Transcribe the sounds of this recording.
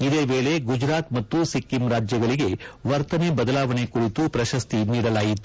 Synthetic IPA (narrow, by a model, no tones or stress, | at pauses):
id̪e̞ːʋeːle̞ɡud͡ʒɾaːt̪mɐt̪ːusikːimɾaːd͡ʒjɐɡɐɭiɡe̞ʋɐɾt̪ɐnebɐd̪ɐlaːʋɐne̞kuɾit̪upɾɐʃɐst̪iniːɽɐlaːjit̪ːu